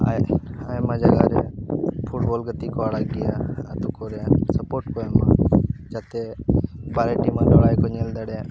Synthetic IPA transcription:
a̰aːemãːd͡ʒaɡaːɾepʰʊʈboːlɡət̪ikoaɽaɡɪjaːaːt̪ukoːɾesəpoːɾʈkoemã̰ːd͡ʒaːt̪ebaːɾeːʈimãːloɽaːjkoɲeːld̪əɽe

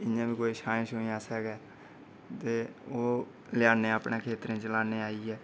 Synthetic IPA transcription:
ɪãːbiːkoːiːʃãːʃoːĩːãːsɛːɡɛː | t̪eːoː | lɪjaːnẽːapnẽːkʰeːt̪ɾẽːt͡ʃəlaːneːaːiːɛː

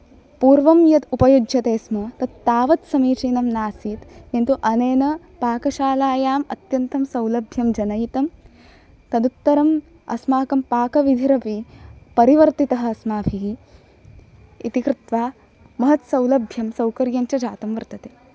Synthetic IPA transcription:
puːɾʋɐmjɐt̪upɐjud͡ʒʱjɐt̪eːsmoːt̪ɐd̪ːaːʋɐt̪sɐmiːt͡ʃeːnɐmnaːsiːt̪ent̪uʔɐneːnɐ | paːkɐʃaːlaːjaːmɐ̰t̪jɐnt̪ɐmsɐwlɐbʱjɐmd͡ʒɐnɐjit̪ɐm | t̪ɐd̪ut̪ːɐɾɐm | ɐ̰smaːkɐmpaːkɐʋid̪ʱiɾɐpipɐɾiʋɐɾt̪it̪ɐɦɐ̆ɐsmaːbʱʰiɦi | ḭt̪ikɾɪt̪ʋaː | mɐɦɐt̪sɐwlɐbʱjɐmsɐwkɐɾjɐɲt͡ʃɐd͡ʒaːt̪ɐmʋɐɾt̪ɐt̪eː

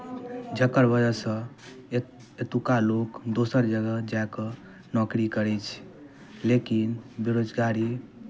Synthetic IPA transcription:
d͡ʒəkəɾbəd͡ʒasə̃ | et̪ukalokd̪osəɾd͡ʒəɡəd͡ʒaekɔ | nɔkɾikəɾɛt͡ʃʰ | lekinbeɾod͡ʒɡaɾi

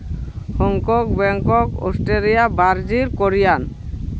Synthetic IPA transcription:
hɔŋkɔk̚bɛŋkɔko̰sʈeɾijabaɾd͡ʒiɾkoɾijan

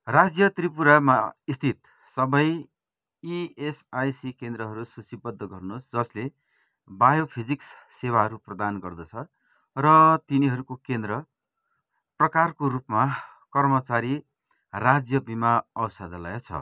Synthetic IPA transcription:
rad͡zjʌt̪ripuɾama̰ist̪ʰit̪ | sʌbʌj | iesajsikend̪rʌɦʌɾususibʌd̪ʱːʌɡʌrnosd͡zʌsle | bajopʰid͡zikssewaɦʌɾuprʌd̪anɡʌrd̪ʌt͡sʰʌ | rʌt̪iniɦʌɾukokend̪rʌ | prʌkarkoɾupma | kʌrmʌt͡saɾi | rad͡zjʌbimaʌwsʌd̪ʌlʌ̰jat͡sʰʌ̰

